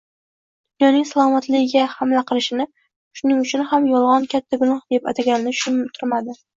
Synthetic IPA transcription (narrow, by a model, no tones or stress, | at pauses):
d̪̥ʊnjɒnɪŋsalˠɒmat̪lɪɡʲɪɡʲahamlaqʰɨlˠɪʃɪnɪ | ʃʊnɪŋʊt͡ʃʰʊnhamjɒlˠʁɒnkʲʰat̪ʰːaɡʊnɒhd̪̥e̞pat̪ʰaɡʲanɪnɪʃʊmt̪ʰʊɾmad̪ɪ